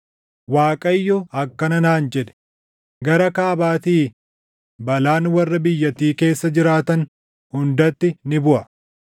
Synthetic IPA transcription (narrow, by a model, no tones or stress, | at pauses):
waːkʼɐjːɔɐkːɐnɐnaːnd͡ʒɛd̪ɛ̥ | ɡɐɾɐkaːbaːt̪iː | bɐlaːnwɐrːɐbɪjːɐt̪iːke̞ːsːɐd͡ʒɪɾaːt̪ɐn | hʊnd̪ɐt̪ːɪnɪbʊʔɐ